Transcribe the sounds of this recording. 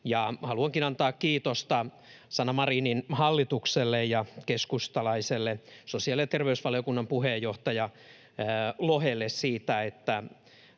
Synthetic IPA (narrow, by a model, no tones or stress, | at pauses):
jɑhɑluɑŋkinɑnt̪ɑːkkiːt̪ost̪ɑ | sɑnɑmɑriːninhɑlːit̪ukselːejjɑkeskust̪ɑlɑiselːesosiɑliljet̪erʋeysʋɑlijokunːɑmpuhejːoht̪ɑjɑ | lohelːessiːt̪æet̪ːæ